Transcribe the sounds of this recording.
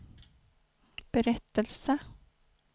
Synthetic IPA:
b̥ɛɾɛt̪ːəlsə

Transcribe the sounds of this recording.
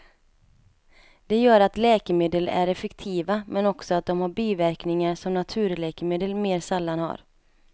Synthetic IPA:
d̪̥ɛjœːɾat̪lɛːkəmeːd̪əlæ̰ɾɛfɛkt̪ʰiːvamʔɛnɔksɔat̪̚d̪ɔmhaɾbiːvæɾknɪŋaɾʂɔmnat̪ʰʉ̟ːɾlɛːkəmeːd̪əlmeːɾsalːanha̰ɾ

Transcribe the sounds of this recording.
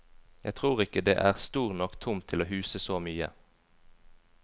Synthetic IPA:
jæɪt̪ʰʁuːʁɪkəd̪eːʔæːʁst̪uːʁnɔkt̪ʰʊmt̪ʰɪloːɦʉːsəsoːmyːə̰

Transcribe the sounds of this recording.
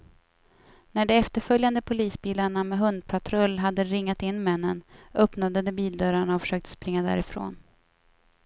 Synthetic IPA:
næɖɔɛft̪əɾfœljand̪əpʰʊliːsbiːlaɳamɛɦɵnd̪̚pʰat̪ʰɾœlːɦad̪ːəɾɪŋːat̪ɪnːmɛnːənœpnad̪əd̪ɛbiːld̪œɾaɳaɔfœ̥ʂøːk̚t̪ə̥spɾɪŋːad̪æ̰ːɾɪfɾo̰ːn

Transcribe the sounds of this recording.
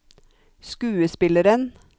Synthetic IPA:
skʉːəspɪləɾən

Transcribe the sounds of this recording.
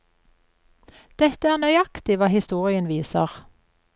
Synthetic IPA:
d̪̥ɛt̪əæːʁnœʏɑkt̪ɪʋɑːhɪst̪uːʁɪənʋiːsə̰ʁ

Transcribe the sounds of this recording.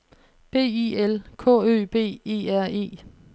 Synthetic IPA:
b̥e̝̰ːiːelkʰɔ̰̽ø̰ːb̥e̝̰ːe̝̰ːæɐ̰e̝̰ː

